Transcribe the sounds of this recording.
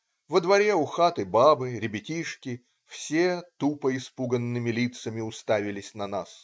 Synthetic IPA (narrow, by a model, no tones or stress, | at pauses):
vəd̪vɐɾʲeʊxat̪ɨbabɨɾʲɪbʲɪtʲiʂkʲɪ | fsʲet̪upəɪspuɡənːɨmʲɪlʲit̪səmʲɪʊst̪avʲɪlʲɪsʲnɐnas